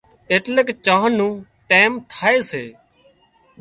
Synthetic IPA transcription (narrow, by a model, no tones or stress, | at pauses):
eːʈlekt͡ʃãːənːũː | ʈeːmt̪ʰaːeːsḛː